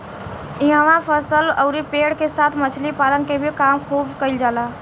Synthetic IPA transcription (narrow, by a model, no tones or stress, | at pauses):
ɪɦaʋãpʰəsələʊɾipeːɽkesaːt̪ʰmət͡ʃʰlipaːlənkebʱikaːmkʰuːbkəɪld͡ʒaːlaː